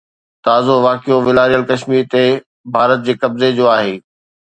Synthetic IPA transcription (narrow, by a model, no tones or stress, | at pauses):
t̪aːzoʋaːkijoʋɪlaːɾijəlkɐʃmiːɾt̪e | bʱaːɾət̪̚d͡ʑeːkɐbzed͡ʑoːaːɦeː